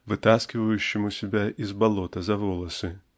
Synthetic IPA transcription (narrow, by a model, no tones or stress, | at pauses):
vɨt̪askʲɪvəjʉɕːɪmʊsʲɪbʲaʔizbɐlˠɔt̪ɐzɐvɔlˠɐsɨ